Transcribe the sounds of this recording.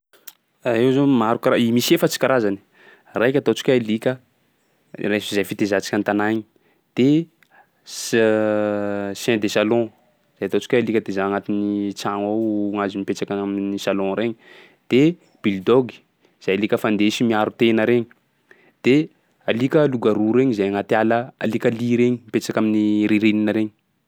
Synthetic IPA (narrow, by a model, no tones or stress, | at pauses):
aiwzomaɾukaɾaimisefət͡si̥kʲaɾazani̥ | rajkʲat̪ot͡si̥kʲalikʲə | rezajfit̪ezat͡si̥kʲant̪anaɲi | d̪̥e | sɛ̃d̪esalɔ̃ | zajat̪ot͡si̥kʲalikʲəd̪ezaaŋat̪init͡saŋoŋazimipet͡ʃakaaminisalɔ̃ɾeɲi | d̪̥e | b̥ild̪ɔɡi̥ | z̥ajalikəfand̪eʃimiaɾut̪enəɾeɲi̥ | d̪̥e | alikʲəluɡaɾuɾeɲizajaŋat̪ialəa̰likʲaliɾeɲimipet͡ʃakaminiɾiɾininəɾeɲi